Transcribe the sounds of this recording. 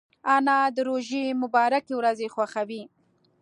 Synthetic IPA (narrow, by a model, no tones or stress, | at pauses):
anɑd̪əɾoʒemʊbɑɾakewɾazexwaxawi